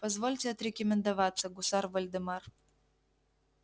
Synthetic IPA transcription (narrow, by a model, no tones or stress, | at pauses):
pɐzvɔlʲtʲeɐt̪ɾʲɪkʲəmʲɪnd̪ɐvat̪sːɐɡʊsarvɐlʲd̪ɨmar